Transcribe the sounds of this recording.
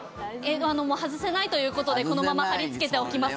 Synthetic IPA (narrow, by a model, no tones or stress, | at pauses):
et̪oano̞mo̞ːhazɨse̞nait̪o̞jɯ̟ːko̞t̪o̞d̪e̞ko̞no̞mamahaɾʲit͡sɨ̥ke̞t̪e̞o̞kʲimasɨ̥